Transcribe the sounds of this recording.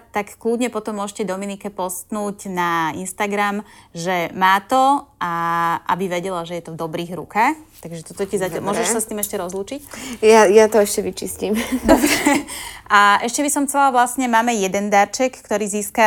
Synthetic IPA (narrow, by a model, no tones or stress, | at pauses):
t̪akkluːdɲɛpɔt̪ɔmːʊɔʒcɛd̪ɔminikɛpɔst̪nuːcnaḭnst̪aɡɾamʒɛmaːt̪ɔʔaʔa̰biʋɛɟɛlaʒɛjɛt̪ɔvd̪ɔbɾiːɣɾṵkaxt̪aɡʒɛt̪ɔt̪ɔcizaamʊɔʒɛʃssast̪iːmɛʃcɛɾɔzluːt͡ʃicjajat̪ɔɛʃcɛʋit͡ʃiscimd̪ɔbɾɛʔaʔɛʃcɛbisɔmxt͡sɛlaʋlasɲɛmaːmɛjɛd̪ɛnd̪aɾt͡ʃɛkːt̪ɔɾiːziːska